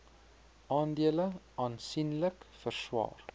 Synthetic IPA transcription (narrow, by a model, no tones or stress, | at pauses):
ɑːndiələ | ɑːnsinləkfərswɑ̰ːr